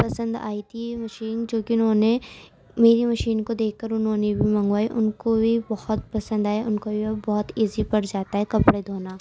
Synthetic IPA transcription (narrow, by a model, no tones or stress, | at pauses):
pɐsə̃nd̪a̰ːit̪ʰimɐʃiːnd͡ʒoːkiʊnɦõːne | meːɾimɐʃiːnkod̪eːkʰkːɐɾʊnɦõːnebʱimɐ̃ŋɡʋaːeʔʊnkobʱibɐhʊt̪pɐsə̃nd̪aːjaʔʊnkobʱiɐbɔɦʊt̪eːzipɐɽd͡ʒaːt̪aɦɛkɐpɽed̪ʱoːnaː